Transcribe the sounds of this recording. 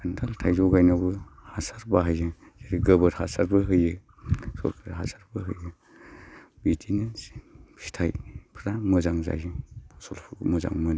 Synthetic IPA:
kʰantʰaltʰajzɔɡajnabɯhasaɾbaɦajzɯ | z̥eɾiɡəbɯɾhasaɾbɯɦɯjɯ | sɔ̰ɾkʰɯɾɦasaɾbɯɦɯjɯ | bitʰinɯ | i̥tʰa̰jpʰɾamɯzaŋza̰jɯpʰɔ̥sɔlpʰumuza̰ŋmɯn

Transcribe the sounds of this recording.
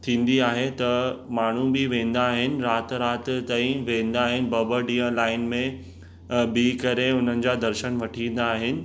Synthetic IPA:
t̪ʰĩːn̆d̪iaːɦet̪ɐmaːɳ̤ũbɪʋẽːn̆d̪aːɦɪnɪ̆ɾaːt̪ɾaːt̪t̪aːĩʋẽːn̆d̪aːɦɪnɪ̆bɐbəɖĩːə̃laːɪnmẽ | biːkɐɾeʊn̤ənɪ̆d͡ʑaːd̪ɐɾʃənʋɐʈʰĩːn̆d̪aːɦɪnɪ̆

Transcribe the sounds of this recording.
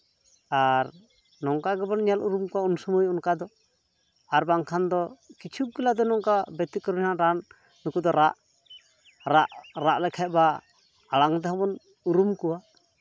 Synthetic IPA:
aɾ | nɔŋkaɡɛbɔnɲaluɾumkuaunsumujɔnkad̪ɔ | aɾbaŋkʰand̪ɔkit͡ʃʰuɡilad̪ɔnɔŋkabɛt̪ikɔɾnaʔɾanː | ukud̪ɔɾaʔ | ɾaʔɾaʔlɛkʰaɛt̪̚baː | ɽaŋt̪ɛɦɔbɔn | uɾumkuwa

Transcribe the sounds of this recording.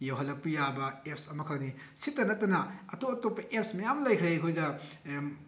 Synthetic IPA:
jawɦɐlːɐk̚pɐjabɐep̚sɐmɐkʰɐkni | sitːɐnɐtːɐnɐɐtopɐtopːɐʔep̚smɐjamlɐjkʰɾekʰojdɐ

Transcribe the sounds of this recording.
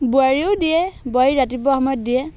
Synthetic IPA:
buaɹiʊdiɛbɔjɹatip̬ɔɦɔmɔjt̚diɛ

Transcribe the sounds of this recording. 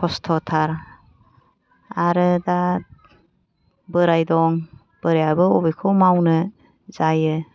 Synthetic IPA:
kʰɔstʰɔtʰaɾ | aɾɯdat̚ | bəɾajdɔŋ | b̥əɾejabɯɔbikʰɔwmawnɯ | zajɯ

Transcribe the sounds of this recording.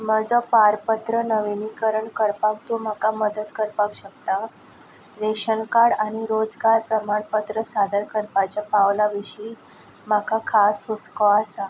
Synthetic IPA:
məd͡zɔpaɾpət̪ɾənəʋinikəɾəɳkəɾpak̚t̪um̤akaməd̪ət̪kəɾpakɕək̚t̪a | ɾeɕənkaɽaɽ̃iɾod͡zɡaɾpɾəmaɳpət̪ɾəsad̪əɾkəɾpat͡ɕapaʋlaʋiɕiː | makʰakʰasɦuskɔasa

